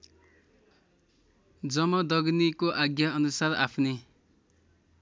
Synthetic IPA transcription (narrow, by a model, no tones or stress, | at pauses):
d͡zʌmʌd̪ʌɡnikoʔaɡjʌʌnusarapʰne